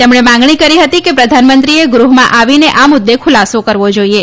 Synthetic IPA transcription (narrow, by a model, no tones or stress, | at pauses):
t̪emɳemãŋɡɳikəɾiɦət̪ikepɾəd̪ʱanmənt̪ɾieɡɾuɦmãʔaʋineʔamʊd̪ːekʰʊlasokəɾʋod͡ʒoie